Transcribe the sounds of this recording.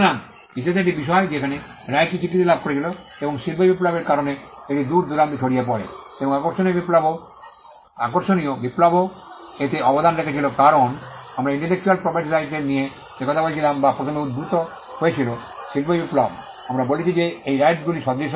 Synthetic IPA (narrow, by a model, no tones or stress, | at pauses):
na | ɦiʃed̪eʈ̬ibiʃ̬ɔed͡ʑekʰane | ɾajʈːit͡ɕikːit̪ilab̚ʱkoɾet͡ɕʰiloeboŋʃilpobiplabeɾkaɾoneeʈid̪uɾd̪uɾant̪it͡ɕʰoɽijap̬ɔɾḛ | eboŋakoɾʃoniobiplabo | a̰koɾʃonijobiplabo | et̪eɔbod̪anɾekʰet͡ɕʰilokaɾonamɾaiɳʈelek̚t͡ɕualpɾɔpʰeʈiɾajʈeɾnije | ekɔt̪ʰabolet͡ɕʰilambapɾot̪ʰomeud̪̚bʱɾut̪o | ɦoet͡ɕʰiloʃilpobiplab | amɾabolet͡ɕʰid͡ʑeejɾajʈɡuliʃɔd̪ɾiʃ